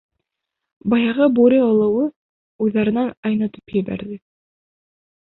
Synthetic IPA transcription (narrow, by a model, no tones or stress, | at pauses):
bɑjɑʁɤbuɾʲiŏlˠɤ̆wɤ | ujðɑɾɤ̆nɑnɑjnɑt̪ɤ̥pjɘ̆βæ̰ɾðɘ